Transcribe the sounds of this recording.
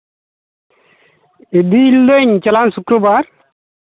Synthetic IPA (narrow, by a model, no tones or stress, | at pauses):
ed̪iːld̪eɲt͡ʃɐlansukɾəbaːɾ